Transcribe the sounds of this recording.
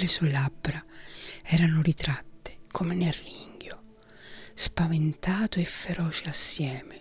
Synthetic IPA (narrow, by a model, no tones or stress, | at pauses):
lesuelabːɾaɛːɾanʊɾit̪ɾat̪ːe̥kʰomenerːiŋɡjo | spavent̪aːt̪oefːeɾɔːt͡ʃeasːjɛːme